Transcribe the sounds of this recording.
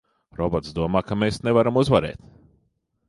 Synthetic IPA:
ɾɔbɔt̪sd̪uɔmaːkameːsnevaɾamuzvaɾḛːt̪

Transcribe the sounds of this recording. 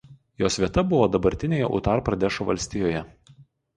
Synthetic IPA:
joːsʋʲiɛt̪ɐbʊʋoːd̪ɐbɐɾʲt̪ʲɪnʲeːjɛ̰ʔʊ̰t̪ɑːˑɾpɾɐd̪ʲɛʃoʋɐlʲsʲt̪ʲɪjoːjɛ

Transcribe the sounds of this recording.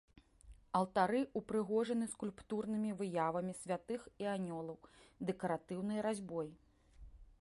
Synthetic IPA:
ɐlˠt̪aɾɨupɾɨɣɔʐɐnɨskulʲpt̪urn̪ɨmʲivɨjavɐmʲisʲvʲat̪ɨxianʲɔlˠɐwd̪ɛkɐɾat̪ɨwnɨjɾazʲbɔj

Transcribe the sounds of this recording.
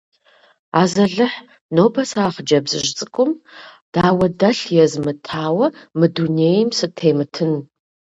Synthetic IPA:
aːzɐɮɨħ | noːbʰɐsaːχd͡ʒɐbzɨ̰ʒt͡sʼɨkʷʼʊm | d̥aːwɐdɐɬjɛzmɨtʰaːwɐmɨdunejmsɨtʰeːmɨtʰɨn

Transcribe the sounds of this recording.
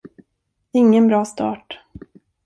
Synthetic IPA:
ɪŋːənbɾɑːst̪ɑ̰ːʈ

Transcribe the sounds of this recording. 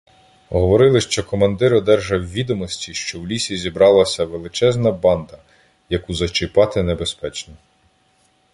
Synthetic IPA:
ɦɔʋɔɾɪlˠɪʃt͡ʃɔkɔmɐnd̪ɪɾɔd̪ɛrʒɐwʋʲid̪ɔmɔsʲtʲiʃt͡ʃɔwlʲisʲizʲibɾɑlˠɐsʲɐʋelˠɪt͡ʃɛznɐbɑnd̪ɐ | jɐkuzɐt͡ʃɪpɑt̪ɪnebespɛt͡ʃnɔ

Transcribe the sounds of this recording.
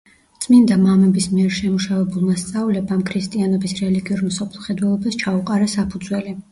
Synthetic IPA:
t̪sʼmind̪amamɛbismiɛɾʃɛmuʃavɛbulˠmast̪sʼavlɛbamkʰɾist̪ʼianɔbisɾɛliɡiuɾm̩sɔpʰlˠχɛd̪wɛlˠɔbast͡ʃʰauqʼaɾasapʰud̪zwɛli

